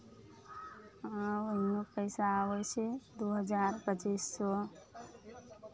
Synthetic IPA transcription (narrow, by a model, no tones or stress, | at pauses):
ãʋəɦinopəjsaːʋot͡ʃʰed̪uɦəd͡ʒaɾpət͡ʃisːɔ